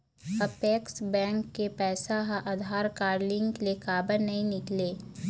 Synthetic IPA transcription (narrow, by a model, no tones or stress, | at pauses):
ɐpeːksbɛ̃ːŋkːepɛːsaɦaʔɐd̪ʱaːɾkaːɾlɪ̃ŋɡlekaːbəɾnɐɦĩnɪkleː